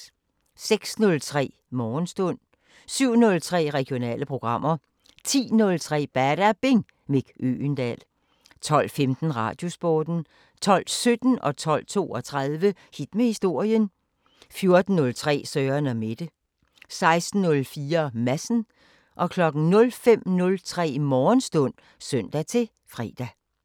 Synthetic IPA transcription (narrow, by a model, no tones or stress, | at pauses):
seɡ̥snɔ̽lt͡sʰʁɛ̰ː | mɒːnsd̥ɔ̽n̰ | syʊ̰nɔ̽lt͡sʰʁɛ̰ːʁɛɡ̥jo̝nɛ̰ːləpʰʁo̝ɡ̥ʁɑ̈m̰ɐ | t͡sʰḭːnɔ̽lt͡sʰʁɛ̰ːb̥æɾ̥æb̥e̝ŋ | meɡ̥ʔø̰nd̥ɛ̰l | t͡sʰɒ̽l̰femd̥n̩ʁɑ̈ːd̥jo̝sb̥ɔːd̥n̩ | t͡sʰɒ̽l̰sød̥n̩ɒ̽t͡sʰɒ̽l̰t͡sʰo̝̰ːɒt͡sʰʁaðˠʋəhid̥mehisd̥o̝ɐ̰jən | fjo̝ɐd̥n̩ːɔ̽lt͡sʰʁɛ̰ːsœːɐnɒme̝d̥ə | sɑ̈ɪsd̥n̩ːɔ̽lfiːɐmæsn̩ | ʔɒ̽kʰlɒ̽ɡ̥n̩nɔ̽lfem̰nɔ̽lt͡sʰʁɛ̰ːmɒːnsd̥ɔ̽n̰ | søn̰d̥æt͡sʰe̝ | fʁɛ̰ːd̥æ